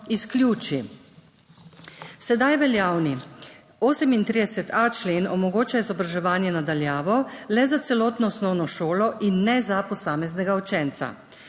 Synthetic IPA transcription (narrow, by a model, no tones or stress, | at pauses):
iskljuːt͡ʃi | sɛd̪ajʋɛljaːwni | oːsɛmint̪ɾid̪ɛsɛt̪ʰat͡ʃleːnɔmɔɡoːt͡ʃaizɔbɾaʒɛʋaːnjɛnad̪aljaːʋɔlɛzat̪sɛlɔːt̪nɔɔsnɔwnɔʃoːlɔʔinːɛzapɔsaːmɛznɛɡaɔt͡ʃɛnt̪sa̰